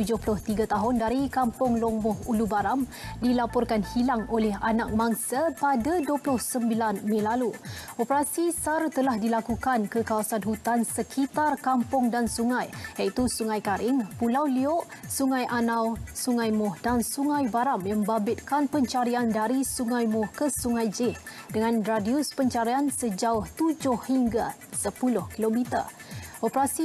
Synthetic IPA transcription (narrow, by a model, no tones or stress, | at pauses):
t̪ud͡ʒʊhpulʊht̪iɡat̪aɦʊndaɾikampʊŋloŋmʊhulubaɾamdilapɔrkanhilaŋolɛhanak̚maŋsapadaduəplʊhsəmbilanmãlaluʔopəɾasisart̪əlahdilakukankəkawasanɦut̪ansəkʰit̪arkampʊŋdansuŋãjjait̪usuŋãjkaɾʔɪŋpulawliʊʔsuŋãjʔanãwsuŋãjmʊhdansuŋãjbaɾamjambabɪt̪̚kanpəɲt͡ʃaɾiandaɾisuŋãjmʊhkəsuŋãjd͡ʒɪhdəŋãnradiʊspəɲt͡ʃaɾiansəd͡ʒaʊht̪ud͡ʒʊhhiŋɡa | səpulʊhkilomit̪ə̰ʔopəɾasi